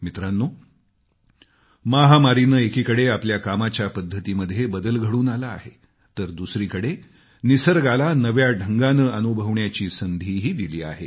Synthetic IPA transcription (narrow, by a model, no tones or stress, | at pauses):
mit̪ɾanːu | maɦamaɾinəːekiːkəɽeapljakamat͡ɕjapəd̪ʱːət̪iːməd̪ʱjebəd̪əlɡʱəɽuːnala̰ːɦe | t̪əɾd̪usɾiːkəɽe | nisəɾɡalanəʋjaɖʱəŋɡanəːʔənubʱəʋɳjat͡ɕiːsənd̪ʱiːɦiːd̪iliːa̰ɦe